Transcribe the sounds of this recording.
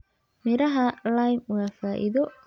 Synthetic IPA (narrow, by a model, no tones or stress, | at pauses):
mɪɾɐɦɐlajmwaːfaːʔḭðɔ